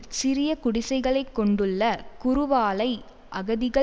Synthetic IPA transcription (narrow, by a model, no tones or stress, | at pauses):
sɪɾɪjɐkʊɽɪsɐɪɣɐɭɐɪkːɔɳɖɯɭːɐkʊɾʊʋaːlɐɪ | ʔɐɣɐðɪɣɐ